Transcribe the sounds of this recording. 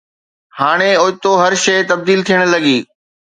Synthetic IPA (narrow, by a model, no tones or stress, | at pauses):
haːɽ̃eoːt̪oɦɐɾʃɐːt̪ɐb̚d̪iːlt̪ʰijəɽ̃lɐɡiː